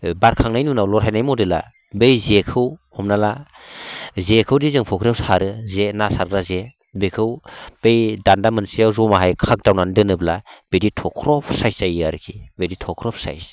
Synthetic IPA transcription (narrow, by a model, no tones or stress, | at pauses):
baɾkʰaŋnajnunawlɔɾɦajnajmɔdɯla̰ | bejzekʰɯwhɔmnala | zekʰɯwdizɯŋpʰɔkʰɾawshaɾɯzenasaɾɡɾaze | bekʰɯwb̥ejdandamɯnsijawzɔmaɦajkʰak̚dawnandɯnɯblab̥editʰɔkʰɾɔpʰsajsajaɾɯkʰibeditʰɔkʰɾɔp̚ʰsa̰js